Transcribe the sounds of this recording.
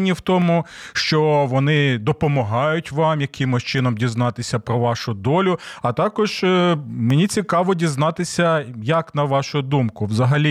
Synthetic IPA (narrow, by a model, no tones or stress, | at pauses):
nʲːiwt̪ɔmʊʃt͡ʃɔʋɔnɪd̪ɔpɔmɔɦɑjʊtʲʋɑmjɐkɪmʊʃt͡ʃɪnɔmdʲiznɑt̪ɪsʲɐpɾɔʋɑʃʊd̪ɔlʲʊɐt̪ɑkɔʒ | menʲit͡sʲikɑʋɔdʲiznɑt̪ɪsʲɐjɐknɐʋɑʃʊd̪umkʊʋzɐɦɐlʲi